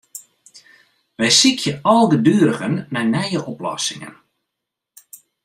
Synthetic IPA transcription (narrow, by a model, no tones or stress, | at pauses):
ʋɛjsikʰjəɔlˠɡədyːɾəɣənːɛjnɛjəʔɔplɔ̰sɪŋə̰n